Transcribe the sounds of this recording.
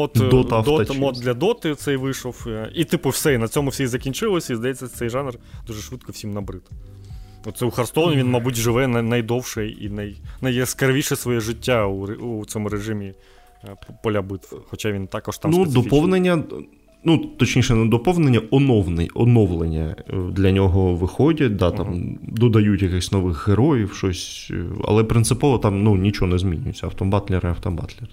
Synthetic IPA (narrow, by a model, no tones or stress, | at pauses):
ɔt̪dɔt̪d̪mɔt̪̚d̪lʲɐd̪ɔt̪ɨt̪sɛjʋɪʂɔfit̪ɪpʊwsɛinɐt͡sʲɔmʊwsʲɛizɐkʲinʲt͡ʃɪlˠɔsʲɐizd̪ɐjɛt͡sʲːɐsɛjʒɑnrd̪̥uʐɛʂʋɪt̪kɔwsʲimnɐbɾɪt̪ | ɔt̪sɛʊxɐrst̪ɔʋnʲɪʋʲinmɐbutʲʒɪʋɛnɐnɐjd̪ɔwʂɛḭnɐjnɐjskɐrʋʲiʂɛsʋɔjɛʐɪtʲːauɾusʲɔmʊɾeʐɪmʲi | pɔlʲabɪt̪wxɔt͡ʃaʋʲint̪akɔʃt̪amnud̪d̪ɔpɔwnenʲːɐ | nut̪ɔt͡ʃnʲiʃɛnɛd̪ɔpɔwnenʲːɐʔɔnɔwnɪ̰ɔnɔʋlˠenʲːɐ̰d̪lʲɐnʲɔɦɔʋɪxɔdʲɐt̚ʲd̪at̪amd̪ɔd̪ɐjutʲjɐkɪxsʲnɔʋɪxːeɾɔjiwʃɔsʲ | ɐ̰lˠɛpɾɪnt̪sɪpɔʋɔt̪ɑmnunʲit͡ʃɔɔnɛzmʲinʲʊ̰jɪt͡sʲːɐɐwt̪ɔmbɑt̪lʲɛɾɪɐwt̪ɔbɑ̰t̪lʲɛr